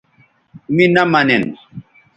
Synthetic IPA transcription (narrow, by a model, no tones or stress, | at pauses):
minamanɛn